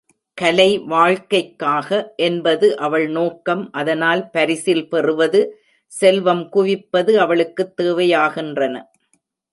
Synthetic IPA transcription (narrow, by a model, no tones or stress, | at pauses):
kɐlɐɪʋaːɻkɐɪkːaːɣɐʔɛnbɐðɯʔɐʋɐɭnoːkːɐmʔɐðɐnaːlpɐɾɪsɪlpɛrɯʋɐðɯ | sɛlʋɐmkʊʋɪpːɐðɯɐʋɐɭɯkːɯt̪ːeːʋɐjaːɣɪndrɐnɐ